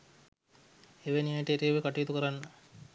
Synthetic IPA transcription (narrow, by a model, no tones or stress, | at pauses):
eʋenijajʈəeʈeːʋekaʈujit̪ukəɾanːə